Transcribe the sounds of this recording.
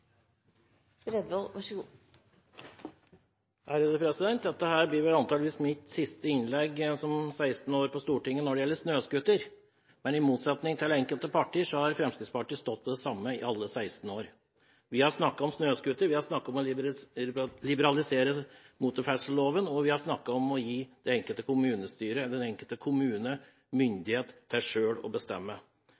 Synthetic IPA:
ɾɛd̪ʋolʋɑʂəɡ | hæɾəd̪əpʰɾɛsɪd̪ɛnt̪̚d̪ɛt̪ːəhæːɾbliːʋɛlɑnt̪ɑːləʋiːsmɪt̪sɪst̪əɪnlɛɡsɔmsæɪst̪n̩oːɾpʰɔst̪uːʈɪŋːənɔɖɛjɛlːəʂnøːskʉt̪əɾ | mɛnɪmuːt̪sɛt̪nɪŋt̪ʰɪlɛŋkəlt̪əpʰɑʈːiːəʂɔhɑɾfɾɛmskɾɪt̪spʰɑʈiːst̪ɔt̪̚ːpʰɔd̪ɛsɑmːəɪ̰ʔɑlːəsæɪst̪n̩oːɾ | ʋɪhɑɾsnɑkːɑɔmsnøːskʉt̪ːəɾʋɪhɑɾʂnɑkːɑɔmɔ | lɪbəɾɑlɪseːɾəmuːt̪ʊɾfæʂəl̩loːʋənɔʋɪhɑɾʂnɑkːɑɔmɔjiːd̪̥ɛɛŋkəlt̪əkʰʊmʉːnəst̪yːɾəd̪ɛnɛŋkəlt̪əkʰʊmʉːnə | mʏnd̪ɪheːt̪ʰːɪʂøːlɔ̰bəst̪ɛ̰mːə

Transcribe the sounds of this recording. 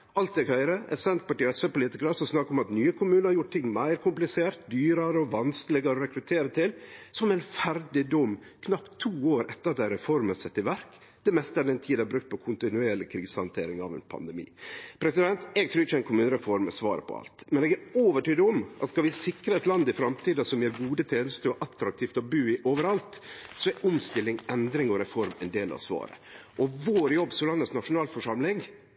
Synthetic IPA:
ɑlt̪̚ɛɡhœʏɾəɛsɛnt̪pɑʈiːɛsəpʊliːt̪ɪkɾəsɔsnɑkːɔmɑt̪nyːəkʰʊmʉːnəɾhɑɾjʊʈ̚ːt̪ʰɪŋːmæɪɾkʰʊmplɪseːɾt̪̚d̪yːɾɑɾəɔʋɑnskəlɪɡəɾɔɾɛkɾʉt̪ʰeːɾət̪ʰɪlsɔmɛɪnfæɾɖɪd̪ɔm | kʰnɑpt̪ʰːuːoːɾɛt̪ːəɾɑt̪̚d̪æɾɛfɔɾməsɛt̪ːɪʋæɾk | d̪ɛmɛst̪əæɖ̪ɛnt̪ʰiːd̪æbɾʉkt̪̚pʰɔkʰʊnt̪ɪnʉeːɭɪkʰɾiːsəhɑnt̪ʰḛːɾɪŋɑ̰ʋɛ̰npʰɑ̰nd̪ɛmḭːpʰɾɛsɪd̪ɛnt̪ɛɡ̚t̪ʰɾʉːɾɪt͡ʃːəɛɪnkʰʊmʉːnəɾɛfɔɾmɛsʋɑːɾə̰pʰɔ̰ɑ̰lt̪mɛnɛɡæɾoːʋəʈyːd̪əɔmʔɑt̪skɑʋɪsɪkɾəɛt̪lɑnd̪ɪfɾɑmt̪ʰiːd̪ɑsɔmjeːɾɡuːd̪ət̪ʰeːnəst̪əɔʔɑt̪ːɾɑk̚t̪ʰiːft̪ɔbʉːɪʔoːʋəɾɑlt̪sɔɛʔʊmst̪ɪlːɪŋɛnd̪ɾɪŋɔɾɛfɔɾmɛ̰nd̪eːlɑ̰ʋsʋɑ̰ːɾə̰ʔɔʋoːɾjɔbːsɔlɑnət̪snɑʂʊnɑːlfɔʂɑmlɪŋ

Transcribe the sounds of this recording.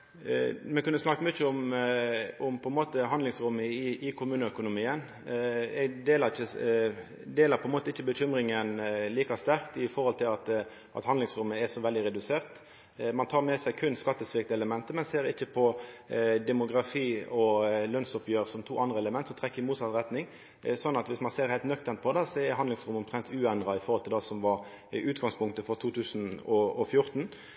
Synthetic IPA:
mɛkʰʉnːəsnɑkːəmʏçəʊm | ʊmpʰɔɛnmoːt̪əɦɑnd̪lɪŋsʁʊmːəɪʔɪkʰʊmʉːnəœkʊnʊmiːən | d̪eːləʁɪçːə | d̪eːləpʰɔɛnmoːt̪əɪçːəbəçʏmɾɪŋənliːkɑst̪æʁkt̪ɪfɔʁhɔlt̪ʰɪlɑt̪ | ʔɑ̰t̪hɑnd̪ɪŋsʁʊmːəɛsɔʋɛld̪ɪʁɛd̪ʉseːʁt̪ | mɑnt̪ʰɑːʁmɛsæɪkʰʉnskɑt̪ːəsʋɪk̚t̪əɛləmɛnt̪əmɛnseːɾɪçːəpʰɔ | d̪ɛmʊɡʁɑfiːɔlœnsɔpjøːʁsɔmt̪ʰuːʔɑnd̪ʁəɛləmɛnt̪sɔmt̪ʁɛkːəɪmuːt̪sɑt̪ʁɛt̪nɪŋ | sɔnːɑt̪ʋɪsmɑnseːɾhæɪlt̪nœkt̪ənt̪̚pʰɔd̪ɑsɔɛɾhɑnd̪lɪŋsʁʊmːɔmt̪ʰʁɛnt̪ʰʉːɛnd̪ʁɑɪfɔʁhɔlt̪ʰɪld̪ɑsɔmʋɑɾ | ʉːt̪ɡɑŋspʰʊŋkt̪əfɔʁt̪ʰuːt̪ʰʉːsn̩ɔɔfjʊʁt̪n̩

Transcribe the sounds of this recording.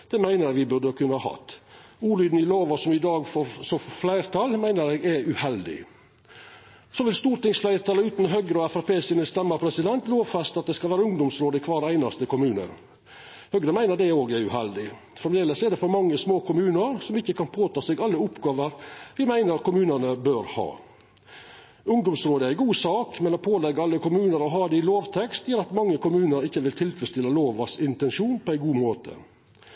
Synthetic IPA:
d̪̥ɛmæɪnəɾʋɪbʉɾd̪əkʰʉnːəhɑːhɑ̰t̪ːuːlyːd̪nɪloːʋɔsɔmɪd̪ɑːɡfɔsɔfɔflæɪɾt̪ʰɑlmæɪnəɾɛɡæʉhɛld̪ɪ̰ | sɔʋɪlst̪uːɾʈ̪ɪŋsflæɪɾt̪ʰɑːləʉːt̪nɦœɡɾəɔɛfɑɾpʰeːsɪnəst̪ɛmːəpʰɾɛsɪd̪ɛnt̪loːʋfɑst̪ɑt̪̚d̪ɛskɑlʋæːɾəʊŋd̪ʊmsɾoːd̪əkʰʋɑːɾd̪ɛæɪnɑst̪əkʊmʉːnə̰ɾ | hœɡɾəmæɪnəɾɖ̪ɛoːɡæɾʉhɛld̪ɪ | fɾɑmd̪eːləsɔɛd̪ɛfɔɾmɑŋːəsmoːkʰʊmʉːnəɾsɔmɪçːəkʰɑnpʰoːt̪ʰɑːseːɡɑlːəʊpɡɑːʋəɾʋɪmæɪnəɾɑkʊmʉːnəɳəbøːɾhɑ̰ː | ʊŋd̪ʊmsɾoːd̪əɾæɪɡuːsɑːkmɛnɔpʰoːlɛɡːəɑlːəkʊmʉːnəɾɔɦɑːd̪ɛɪloːʋt̪ʰɛkst̪jəɾɑt̪mɑŋːəkʊmʉːnəɾɪçːəʋɪlt̪ʰɪlfɾɛst̪ɪləloːʋɑsɪnt̪ɛnʂuːnpʰɔæɪɡuːmoːt̪ʰə̰

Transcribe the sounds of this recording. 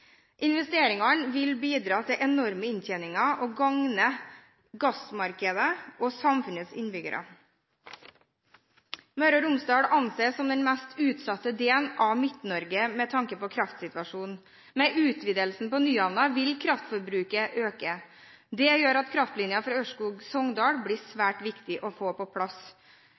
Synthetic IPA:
ʔɪnʋɛst̪eːɾɪŋɑɳʋɪlbiːd̪ɾɑːt̪ʰɪʔɛnɔɾməɪnc͡çɛnɪŋɑʔoːɡɑŋnə | ɡɑsmɑɾkəd̪əʔoːsɑmfʉnəsɪ̰nbʏɡə̰ɾʔə̰ | mœɾɔɾʊmsd̪ɑːɽɑnseːsɔmd̪ɛnmɛst̪ʰʉːt̪sɑt̪ːəd̪eːlnʔɑʋmɪt̪nɔɾɡəmɛt̪ʰɑŋkəpɔkʰɾɑft̪sɪt̪ʋɑʂuːn | mɛʔʉːt̪ʋiːd̪əlsn̩pɔnyːɑnɑʋɪlkʰɾɑft̪fɔɾbɾʉːkəʔøːkə | d̪ɛjøːɾɑt̪kʰɾɑft̪lɪnjɑfɾɑøʂkuːɡsɔŋd̪ɑːɽbɽiːsʋæːʈʋɪkt̪ɪʔɔfoːpɔpʰɽɑs

